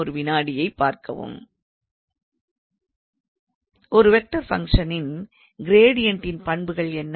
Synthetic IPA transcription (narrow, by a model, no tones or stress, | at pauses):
ɔɾɯʋɪnaːɽɪjɐɪpːaːɾkɐ̰ʋɯ̰m | ʔɔɾɯʋɛk̚ʈɐɾfɐ̰ŋkʂɐnɪn | ɡɪɾeːɽɪjɐɳʈɪnpɐɳbɯɣɐɭɛnː